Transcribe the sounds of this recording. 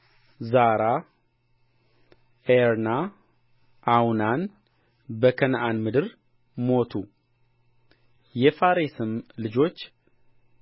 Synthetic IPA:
zaɾa | eɾna | ʔawnan | bəkʰənʔanmɨd̪ɨɾ | mo̞t̪ʰu | jɛfaɾesɨmlɨd͡ʒo̞t͡ʃː

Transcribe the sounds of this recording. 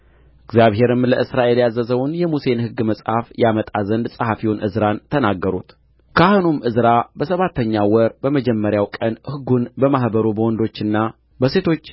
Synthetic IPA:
ʔɨɡzjaβɦe̞ɾɨmləʔɨsɾaʔe̞ljazəzəwnjɛmuse̞nhɨɡːməsʼhafjamət̪ʼazənd̪sʼəhafiwnʔɨzɾant̪ʰənaɡːəɾut̪ | kʰahnumʔɨzɾabəsəβat̪ːəɲːawɔɾbəməd͡ʒɛmːəɾjawkʼənhɨɡːunbəmahbəɾubəwɔnd̪o̞t͡ʃːɨnːa | bəse̞t̪ʰo̞t͡ʃː

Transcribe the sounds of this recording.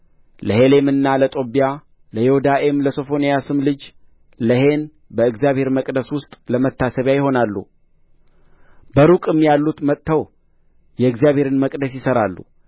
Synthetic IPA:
ləhe̞le̞mɨnːalət̪ʼo̞bija | ləjehud̪aʔe̞mləso̞fo̞nijasɨmlɨd͡ʒ | ləhe̞n | bəɨɡzjaβhe̞ɾməkʼd̪əswʊst̪ʼləmət̪ʰːasəβjajɪɦo̞nalːṵ | bəɾukʼɨmːjalːut̪mət̪ːəw | jɛɨɡzjaβhe̞ɾɨnməkʼd̪əsjɪsəɾalːṵ

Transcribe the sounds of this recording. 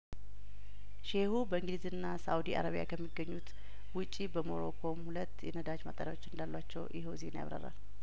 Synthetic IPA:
ʃehubəɨŋɡlizɨnːasawud̪iʔa̰ɾaβija̰kʰəmːiɡːəɲːut̪ | wʊt͡ʃʼːibəmo̞̰ɾo̰kʰo̞mhulət̪ːjɛ̰nəd̪at͡ʃma̰t̪ʼəɾjawo̞t͡ʃːɨnd̪alːwat͡ʃːɛwjʔɪɦozenja̰βɾə̰ɾa̰l

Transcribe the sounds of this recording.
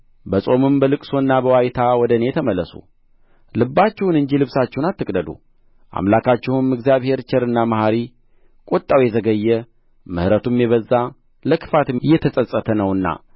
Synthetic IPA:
bəsʼo̞mɨmbəlɨkʼso̞ɨnːabəwajt̪ʰawɔd̪əne̞t̪ʰəməlːəsṵ | lɨbːat͡ʃːɛwunɨɲd͡ʒilɨβsat͡ʃːɛwnat̪ːɨkʼd̪əd̪ṵ | ʔa̰mlakʰat͡ʃːɛhɨmɨɡzijaβhe̞ɾt͡ʃʰɛɾɨnːamahaɾi | kʼot̪ʼːawjɛzəɡəjːɛ | mɨhɾət̪ʰumjɛβəzːa | ləkʰɨ̥fat̪jːɛt̪ʰəsʼəsʼət̪ʰənəwɨnːa̰

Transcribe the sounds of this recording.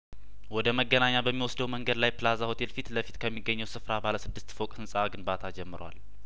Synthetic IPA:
wɔd̪əməɡːənaɲːabəmːiwɔsd̪əwməŋɡəd̪lajpɨlazaho̞t̪ʰe̞lfit̪ləfit̪kʰəmːiɡːəɲːəwsɨfɾabaləsɨd̪ːɨst̪fokʼhɨnsʼaɡɨnbat̪ʰad͡ʒɛmːɨɾwa̰l

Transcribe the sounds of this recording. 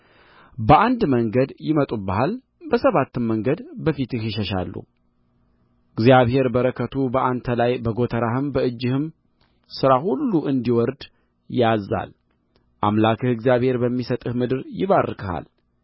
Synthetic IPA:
bəʔand̪məŋɡəd̪jɪmət̪ʼubahal | bəsəβat̪ːɨmːəŋɡəd̪bəfit̪ɨhɪʃəʃa̰lːṵ | ʔɨɡzijaβhe̞ɾbəɾəkʰət̪ʰubəʔant̪ʰəlajbəɡo̞t̪ʰəɾahɨmbəɨd͡ʒːɪhɨm | sɨɾahulːuʔɨnd̪iwɔɾd̪ | jazːa̰l | ʔa̰mlakʰɨhɨɡzjaβhe̞ɾbəmːisət̪ʼɨhmɨd̪ɨɾjɪβarːɨkʰəha̰l

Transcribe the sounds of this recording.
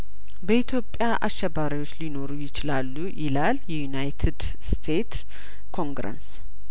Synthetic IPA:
bəit̪ʰjo̞pʼjaʔaʃːɛbaɾiwo̞t͡ʃːlino̞ɾujɪt͡ʃɪlalːujɪlaljɛjunajt̪ʰɨd̪ | st̪ʰe̞t̪ | kʰo̞ŋɡɾə̰ns

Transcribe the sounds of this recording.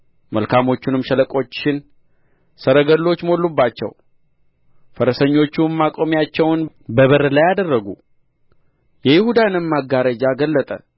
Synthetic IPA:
məlkʰamo̞t͡ʃːunɨmʃələkʼo̞t͡ʃːɪn | səɾəɡəlːo̞t͡ʃːmo̞lːubːat͡ʃːɛ̰w | fəɾəsəɲːo̞t͡ʃːummakʼomjat͡ʃːɛwn | bəβəɾəlajad̪ərːəɡṵ | jɛjɪhud̪anɨmmaɡːaɾəd͡ʒaɡəlːət̪ʼə̰

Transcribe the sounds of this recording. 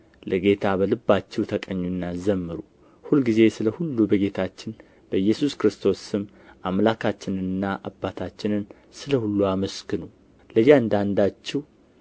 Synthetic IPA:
lʔəɡe̞t̪ʰabəlɨbːat͡ʃːɛwt̪ʰəkʼəɲːunːazəmːɨɾu | hulɡize̞sɨləhulːubəɡe̞t̪ʰat͡ʃːɪn | b̥əɨjːɛsuskɾɨst̪ʰo̞sɨm | ʔamlakʰat͡ʃːɪnɨnːaʔabːat̪ʰat͡ʃːɪnɨn | sɨləhulːuaməskɨnu | ləjːaɨnd̪and̪at͡ʃːɛw

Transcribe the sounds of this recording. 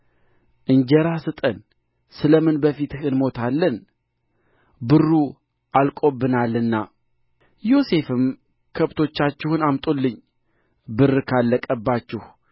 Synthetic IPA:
ʔɨɲd͡ʒəɾasɨt̪ʼən | sɨləmɨnbəfit̪ɨhɨnmo̞t̪ʰalːən | bɨrːu | ʔalkʼo̞bːɨnalːɨnːa | jo̞se̞fɨm | kʰəβt̪ʰo̞t͡ʃːat͡ʃːɪhʊnamt̪ʼolːɨɲː | bɨrkʰalːəkʼəbːat͡ʃːɪh

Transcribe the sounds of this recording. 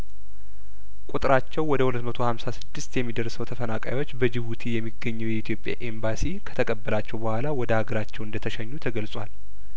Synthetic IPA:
kʷʼut̪ʼɨɾat͡ʃːɛwːɔd̪əhulət̪mət̪ʰo̞hamsasɨd̪ːɨst̪jɛmːid̪əɾsəwt̪ʰəfənakʼa̰jwo̞t͡ʃːbəd͡ʒɪβut̪ʰijɛmːiɡːəɲːɛwjɛit̪ʰjo̞pʼja̰ʔembasikʰə̥t̪ʰəkʼəbːəlat͡ʃːɛwbəhʷwalawɔd̪əhaɡəɾat͡ʃːɛwɨnd̪ət̪ʰəʃɛɲːut̪ʰəɡəlsʼwal

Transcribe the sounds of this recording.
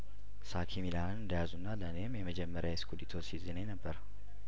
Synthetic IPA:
sakʰimilanɨnd̪əjazunːalənemjɛməd͡ʒɛmːəɾjaɪskʰud̪it̪ʰosizinəjnəbːəɾ

